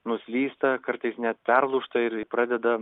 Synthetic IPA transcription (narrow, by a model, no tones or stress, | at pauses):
nʊsʲlʲiːst̪ɐkɐɾt̪ɐɪsnʲɛt̪pʲɛrlˠʊʃt̪ɐɪɾpɾɑːd̪ʲɛd̪ɐ